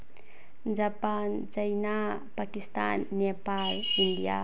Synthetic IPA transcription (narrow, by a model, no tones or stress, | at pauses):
d͡ʒapant͡ʃəjna | pakist̪a̰nːepaliɳɖija̰